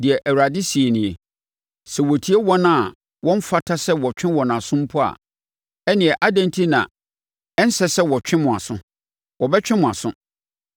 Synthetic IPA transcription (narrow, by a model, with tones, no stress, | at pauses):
dɪ˨ɛ˨ʔæ˨wa˨dɪ˦si˨e˨nɪ̃˨e˨ | sɛ˨wɔ˨tʰi˦e˦wɔ˦nã˦˨ | wɔ̃˦ɱ̩˦fa˦tʰa˦sɛ˦wɔ˨t͡ɕᶣʰɪ̃˦wɔ˨nã˨sʊ̃˦m̩˦pʰʊ˦a̰˨ | ɛ˦nɪ̃˨ɛ˨ʔa˦dɛ̃˦ntʰi˦nã̰˨ | ɛ˦n̩˦sɛ˦sɛ˦wɔ˨t͡ɕᶣɪ̃˦mʊ̃˨a̰˨sʊ̃˦ | wɔ˨bɛ˦t͡ɕᶣɪ̃˦mʊ̃˨a˨sʊ̃˦